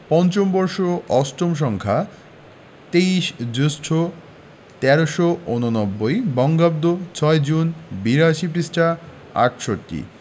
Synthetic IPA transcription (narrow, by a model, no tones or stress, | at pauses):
pɔnt͡ɕombɔɾʃoʔɔsʈomʃ̬ɔŋkʰa | t̪eiʃd͡ʑusʈʰo | t̪ɛɾoʃoononɔbːojbɔŋɡab̚d̪ot͡ɕʰɔed͡ʑunbiɾaʃip̬ɾisʈa | a̰ʈʃoʈːḭ